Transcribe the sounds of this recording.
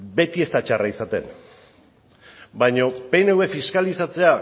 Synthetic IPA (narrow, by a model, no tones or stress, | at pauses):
be̞t̪ie̞st̪at͡ʃaraisat̪e̞̰n | bajɲo̞pe̞newe̞fiskalisat͡se̞a